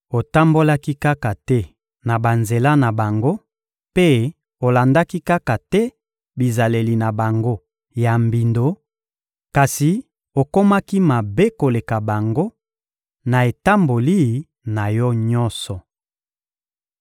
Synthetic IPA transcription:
o˨ta˦mbo˦la˦ki˦ka˦ka˨tɛ˦ | na˨ba˨nze˨la˦na˨ba˨ŋɡo˦ | pe˦ | o˨la˨nda˦ki˦ka˦ka˨tɛ˦ | bi˨za˨le˨li˨na˨ba˨ŋɡo˦ | ja˨mbi˨ndo˨˦ | ka˨si˨ | o˨ko˦ma˦ki˦ma˨be˦ko˨le˨ka˨ba˨ŋɡo˦ | na˨e˨ta˦mbo˨li˦˨ | na˨jɔ˦ɲɔ˦nsɔ˨

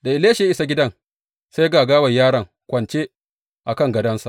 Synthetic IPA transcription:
da˨ʔɪ˨leː˦ʃi˨ja˦ʔɪ˦sa˨ɡʲɪ˦dɐ˦ŋ | sa˦jɡaː˨ɡaː˦wɐ˨jːaː˦ɾɐ˨ŋ | kʷɐ˨nt͡ʃeː˦ | ʔa˨kɐ˦˨ŋɡɐ˨dɐ˦nsa˨ʔ

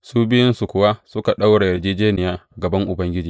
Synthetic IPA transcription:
suː˦bɪ˦jɪ˦nsu˨kʷʊ˨wa˦sʊ˦ka˨ɗa˦wɽa˨jɐ˨rd͡ʒeː˦d͡ʒeː˦nɪ˨jaː˦ɡɐ˨bɐ˦ŋʔʊ˨bɐ˦ŋɡʲɪ˦d͡ʒiː˨

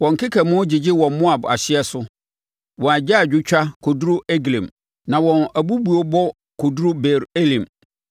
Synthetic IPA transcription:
wɔ̃˨ŋ˨kʰɪ˦kʰɛ˨mʊ̃˦d͡ʑɪ˨d͡ʑɪ˦wɔ̃˨mmʊ̃˦a˨ba̰˨ɕɪ˦ɛ˦sʊ˦ | wɔ̃˨a˨d͡ʑa˦a˨d͡ʑᶣʊ˦t͡ɕᶣa˦kʰo˨du˦ɾʊ˦ʔe˦ɡlɛ̰̃˨m | nã˨wɔ̃˨næ˨bu˦bu˨o˦bɔ˦ | kʰo˨du˦ɾʊ˦be˨ɾe˦lĩ˨m

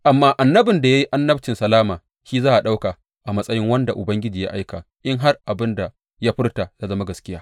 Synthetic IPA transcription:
ʔa˨mːaː˦ʔa˨nːɐ˦bɪ˨nda˨ja˦ji˦ʔa˦nːɐ˦bt͡ʃɪ˨nsɐ˨laː˦maː˨ | ʃiː˦zaː˦ʔa˨ɗa˦wka˨ | ʔa˨mɐ˦sʼɐ˦jɪ˦ŋwɐ˦nda˨ʔʊ˨bɐ˦ŋɡʲɪ˦d͡ʒiː˨ja̰˦ʔa˦jka˨ | ʔɪ˦ŋɦa˦rʔa˨bɪ˦nda˨ | jaː˦ɸɪ˦rta˨jaː˦zɐ˦ma˦ɡɐ˨skʲɪ˦jaː˦

